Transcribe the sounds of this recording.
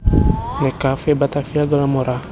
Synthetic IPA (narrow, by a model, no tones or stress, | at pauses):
nekafebat̪afiaɡalamɔɾa